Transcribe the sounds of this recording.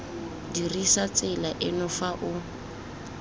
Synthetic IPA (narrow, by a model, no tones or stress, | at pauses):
dirisat͡sʼɪlaʔɪnʊfaʔʊ